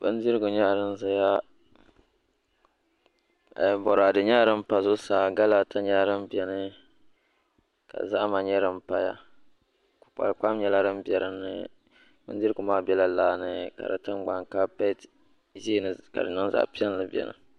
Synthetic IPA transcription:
bɨ̰˦n˦di˦ɾɨ˦ɡʊ˨ɲɛ˦˨ɾɨ˦nza˦ja˦ | ɛ˨bɔ˨ɾa˨dɨ˨ɲa˦˨ɾɨ˦mpa˦zʊ˦saː˨ɡa˦la˨ta˦ɲa˦ɾɨ˦mbi˨ɛ˨nɨ˦ | ka̰˨za˦ʔma˨ɲɛ˦ɾɨ˦mpa˦ja̰˦ | kʊ̥˨k͡pa̰˨lk͡pa˦mɲɛ˦la˦ɾɨ˦mbɛ˨ɾɨ˦nːɨ̰˦ | bɨ̰˦n˦di˦ɾɨ˦ɡʊ˨maː˦bɛ˦la˦laː˦nɨ˦ka̰˨dɨ̰˨tɨ˦mɡ͡ba˨ŋka˦pɛ˦t | ʒi˦nɨ˨ka̰˨dɨ˨nɨ˦nza̰˨ʔpi˦ɛ˦n˦lɨ˦bʲɛ̰˨nɨ̰˦

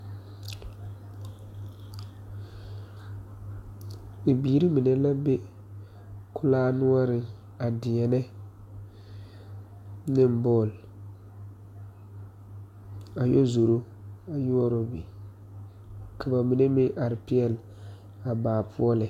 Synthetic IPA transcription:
ɪ˨biː˨˦ɾi˦mi˨nɛ˦la˦be˦ | kʊ˦laː˦nu˦ɔ˦ɾɪ˨ | a˨dɪ˨ɛ˨nɛ˦ | nɪ˦m˦bɔː˦˨l | a˨jo˦zo˨ɾo˦ | a˨ju˦ɔ˦ɾɔ˦bi˨ | ka˨ba˨mi˨ne˦mɪ˦ʔa˨ɾɪ˨pi˦ɛ˨l | a˨baː˨pʰʊ˦ɔ˦lɪ˨

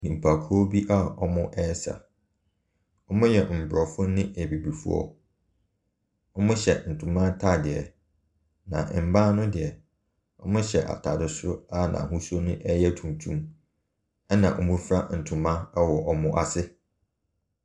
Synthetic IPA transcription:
nĩ˨m̩˨pʰa˨kʰɔ˦bi˦ʔa˦ɔ˦mʊ̃˦ʔɛ˦sa̰˨ | ɔ˦mʊ̃˦jɛ˨m̩˨bʊ˨ɾɔ˨fʊ˦nɪ̃˦ɛ˨bi˨bi˨fṵ˦ɔ̰˦ | ɔ˦mʊ̃˦ɕɛ˨n̩˨tʰʊ̃˨mã˦tʰa˦˨dɪ˨ɛ˨ | nã̰˨m̩˨bã˦nʊ̃˦dɪ˨ɛ˨ | ɔ̰˦mʊ̃˦ɕɛ˨ʔa̰˨tʰa˨dɪ˨sʊ˦a˦nã̰˨ɦũ˦sɔ˦nʊ̃˦ʔɛ˦jɛ˦tʰũ˨tʰũ˦m | ɛ˦nã̰˨ʔɔ˨mũ˦fɾa˦n̩˨tʰʊ̃˨mã˦wɔ˨ʔɔ˨mʊ̃˦ʔa˨sɪ˦

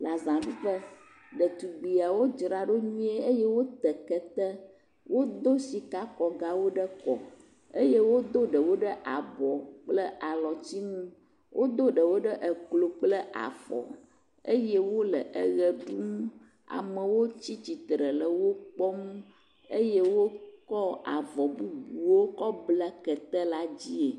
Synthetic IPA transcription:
la˨zã˨vi˦ɸə˦ | ɖə˨t̪u˨ɡ͡bi˨a˨wo˦d͡ʒɾa˨ɖo˦ɲũ˦e˦e˦je˦wo˦t̪ɛ˨kɛ˨t̪ɛ˦ | wʔo˦d̪o˦si˨ka˦kɔ˨ɡa˦wo˦ɖə˦kɔ˨ | e˦je˦wo˦d̪o˦ɖə˨wo˦ɖə˦ʔa˨bɔ˨k͡plə˦a˨lɔ˨t͡ɕi˦nũ˦ | wʔo˦d̪o˦ɖə˨wo˦ɖə˦ʔə˨klo˨k͡plə˦ʔa̰˨fɔ̰˨ | e˦je˦wo˦lə˨ʔə˦ɣə˨ɖu˦m˦ | a̰˨mə˨wo˦t͡ɕi˦t͡ɕi˨t̪ɾə˨lə˨wo˦k͡pɔ˦m˦ | e˦je˦wo˦kɔ˦a˨vɔ˨bu˦bu˨wo˦kɔ˦bla˦kə˨t̪ɛ˦la˦d͡ʑi˦e˨

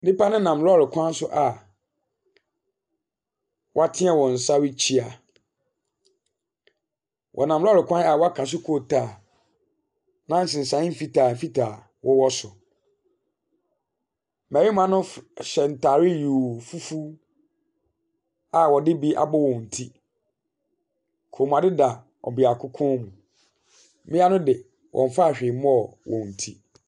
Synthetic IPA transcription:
dɪ˦pa˦nɪ̃˦nã˨mlɔ˦˨ɾɪ˨kʷʰã˦n˦sʊ˦ʔa˨ | wɔ˦a˦tʰɪ̃˦a˨wɔ̃˨n̩˨sa˦wɪ˦t͡ɕʰi˦a˨ | wʔɔ̰˨nã˨mlɔ˦˨ɾɪ˨kʰʷã˦na˨wɔ˦a˦kʰã˨s̬ɪ˦kʰo˨tʰaː˨ | nã˦n̩˨sɪ̃˨n̩˨sã˨˦m̩˦fi˦tʰaː˨m̩˨fi˦tʰaː˨ | wʔɔ˦wɔ˦sʊ˨ | mɛ˨ɾi˦m˦ã˦nʊ̃˦˨ɕɛ˨n̩˨tʰaː˨ɾɪ˦juː˨fu˦fu˦ | a˨wɔ˨dɪ˦bi˦ʔa̰˨bɔ˦wɔ̃˨n̩˨tʰi˦ | kʰo˨m˨a˨dɪ˦da˨ | ɔ̰˨bɪ˨a˨kʰʊ˦kʰɔ̃˦mũ˨ | mɪ̃˦a˦nʊ̃˦dɪ˨ | wʔɔ̰̃˨ɱ˨fa˦˨ɕᶣɪ˨m˦ɔ˨wɔ̃˨n̩˨tʰi˦

